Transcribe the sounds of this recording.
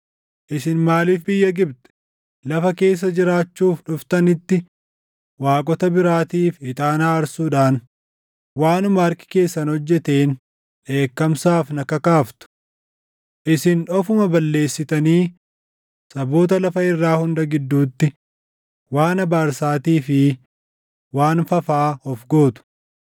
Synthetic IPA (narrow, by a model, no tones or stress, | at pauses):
ʔɪsɪnmaːliːfbɪjːɐɡɪbt̪ɛ̥ | lɐfɐke̞ːs̬ːɐd͡ʒɪɾaːt͡ʃːuːfᶑʊft̪ɐnɪt̪ːɪ | waːkʼɔt̪ɐbɪɾaːt̪iːfɪt̪ʼaːnaːɐɾsuːᶑaːn | waːnʊmaɐɾkɪ̥ke̞ːsːɐnhɔd͡ʒːɛt̪eːn | ᶑe̞ːkːɐmsaːfnɐkɐkaːft̪ʊ̥ | ʔɪsɪnᶑɔfʊmɐbɐlːe̞ːsːɪt̪ɐniː | sɐbo̞ːt̪̬ɐlɐfɐɪrːaːhʊnd̪ɐɡɪd̪ːuːt̪ːɪ | waːnɐbaːɾsaːt̪iːfɪ | waːnfɐfaːhɔfɡo̞ːt̪ʊ̥